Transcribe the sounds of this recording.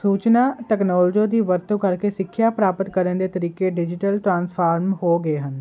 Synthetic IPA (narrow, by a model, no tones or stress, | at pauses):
suːt͡ʃnaːʈɛːknɔːld͡ʒoːd̪iːʋəɾt̪õːkəɾkeːsɪkʰːjaːpɾaːpət̪kəɾənd̪eːt̪əɾiːkeːɖɪd͡ʒɪʈəlʈɾãːnspʰaːɾmhoːɡəeːɦən